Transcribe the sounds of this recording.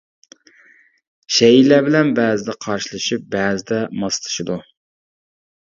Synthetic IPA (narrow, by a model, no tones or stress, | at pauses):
ʃɛjilæbɪlɛnbɛːzɪd̪ɛqʰɑɾʃilˠɨʃip̚bɛːzɪd̪ɛmɑst̪ʰɨ̥ʃid̪u